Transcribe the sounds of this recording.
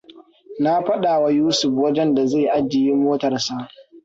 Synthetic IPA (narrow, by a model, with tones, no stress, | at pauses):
na˦ɸɐ˦ɗaː˨wa˦juː˦sʊ˨ɸwɐ˦d͡ʒɛ˦nda˨za˦˨ʔa˦d͡ʒːɪ˨ji˦moː˦tɐ˨rsa˦